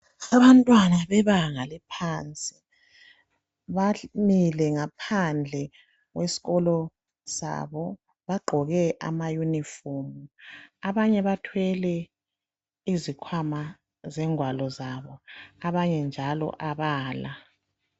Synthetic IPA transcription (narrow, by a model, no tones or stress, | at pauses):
aβantʼwanaβɛβaŋalɛpʰant͡sʼi̥ | βamilɛŋapʰand͡ɮʱɛ | ɣwesi̥ɣɔlɔ | sa̰βɔ | βaɡ͡ǃʱɔɣɛʔa̰majunifomuaβaɲɛβatʰwɛlɛ | izikʰwama | zɛŋwalɔzaβɔaβaɲɛnd͡ʒʱalɔ̰ʔaβaːla